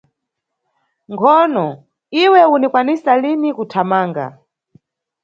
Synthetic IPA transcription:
ŋɡʰɔnɔ | iwɛunikwanisalinikutʰamaːŋɡa̰

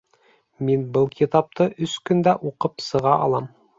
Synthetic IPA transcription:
minbɤlˠkʲʰit̪ɑp̚t̪ɤʔɵskɵ̆nd̪æʔuqɤpsɤ̆ʁɑʔɑlˠɑm

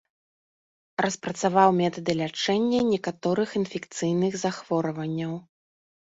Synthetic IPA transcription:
rɐspɾɐt̪savawmʲɛt̪ɐd̪ɨlʲat͡ʂɛnʲːɐnʲɛkat̪ɔɾɨxinfʲɛkt̪sɨjnɨɣzaxvɔɾɐvɐnʲːɐw

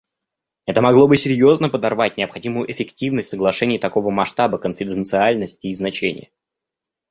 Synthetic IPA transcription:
ɛt̪əmɐɡlˠo̞bɨsʲɪɾʲjo̞znəpəd̪ɐrvatʲnʲɪɐpxɐdʲimʊjʊʔɪfʲɪktʲivnəsʲtʲsəɡlˠɐʂɛnʲɪjɪt̪ɐko̞vəmɐʂt̪abəkənfʲɪd̪ɨnt̪sɨalʲnəsʲtʲɪːznɐt͡ɕenʲɪ̰jə

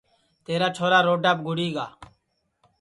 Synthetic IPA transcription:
t̪eːɾaːt͡ʃʰoːɾaːɾoːɖaːp̚ɡʱʊɽiːɡa̰ː

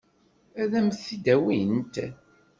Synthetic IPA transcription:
æðæmθid̪æwint̪

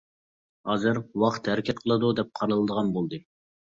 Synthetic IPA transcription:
hɑːzɨɾwɑqt̪hæɾɪkʲʰɛt̪̚qʰəlˠɨd̪ud̪ɛp̚qʰɑɾɨlˠɨd̪əʁɑnbolˠd̪ɨ

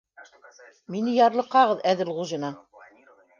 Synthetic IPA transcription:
minɘjɑɾlˠɤ̆qːɑʁɤðæðɘlʁuʒɤ̆nɑ

